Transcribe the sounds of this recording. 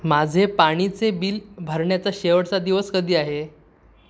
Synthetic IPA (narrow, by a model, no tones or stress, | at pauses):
mad͡zʱepaɽ̃it͡sebiːlbʱəɾɳjat͡saɕeʋəɽt͡sad̪iʋəskəd̪iːaɦe